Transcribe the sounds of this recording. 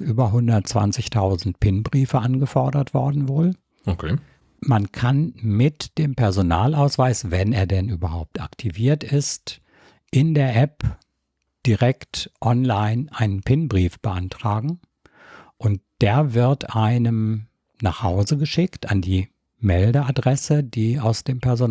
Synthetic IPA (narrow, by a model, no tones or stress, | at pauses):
ʔyːbɐɦʊndɐtt͡sv̥a̰nt͡sɪçtʰaʊzn̩tpʰɪnbʁiːfəʔanɡəfɔɐdɐtv̥ɔɐdn̩voːl | okʰe | mankʰanmɪtd̥eːmpɛɐzonaːlaʊsv̥aɪsv̥ɛneːɐdɛnʔyːbɐhaʊp̚ta̰ktʰiviːɐtɪst | ʔɪndeːɐʔɛp | d̥iʁɛktʔɔnlaɪnʔaɪnənpʰɪnbʁiːfb̥əʔantʁ̥aːɡŋ̩ | ʔʊnt̚d̥eːɐvɪɐtʔaɪnəm | na̰ːχhaʊzəɡəʃɪkta̰ndiː | mɛldəadʁɛsədiːaʊsd̥eːmpʰɛɐzon